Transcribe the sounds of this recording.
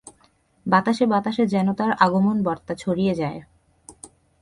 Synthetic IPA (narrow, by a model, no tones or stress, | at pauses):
bat̪aʃebat̪aʃeɾd͡ʑɛnot̪aɾaɡomonbɔɾt̪at͡ɕʰoɽijed͡ʑae